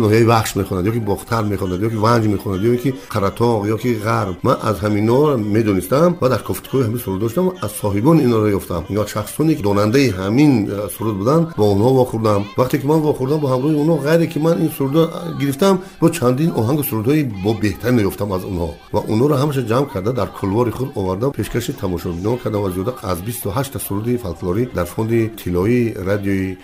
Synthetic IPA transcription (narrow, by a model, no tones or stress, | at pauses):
nɔhijaivaχʃmeχɔnad̪jɔkibɔχt̪ʰaɾme̞χɔnad̪jɔkivand͡ʒmeχɔnad̪jɔiŋkʰiqʰaɾat̪ʰɔʁjɔkiʁaɾmmanʔa̰zɦaminɔme̞d̪ɔnist̪amvad̪aɾkʰɔft̪ʰi̥kʰɔihaminsuɾud̪d̪ɔʃ̬d̪amvaːzsɔɦibɔniːnhɔɾɔjɔft̪ʰamŋaʃaχssɔnekd̪ɔnand̪aiɦaminsuɾud̪bud̪anbɔunhɔvɔχuɾd̪amvaqt̪ʰe̞kimanvɔχuɾd̪ambɔhamɾɔhiunhɔʁajɾekʰimaninsuɾud̪ɔɡiɾift̪amb̥ɔt͡ʃʰand̪inɔɦaŋɡusuɾud̪hɔibɔbe̞ht̪ʰaɾinɔjɔft̪ʰamazunhɔ | vaʔunhɔɾɔɦamaʃ̬ad͡ʒamkʰaɾd̪ad̪aɾkʰulvɔɾiχud̪ɔvaɾd̪apʰeʃkʰaʃit̪ʰamɔʃɔbinhɔkʰaɾd̪avazijɔd̪aazbist̪ʰɔɦaʃt̪ʰasuɾud̪ifalkʰulɔɾid̪aɾfɔnd̪it̪ʰilɔiɾad̪ijɔi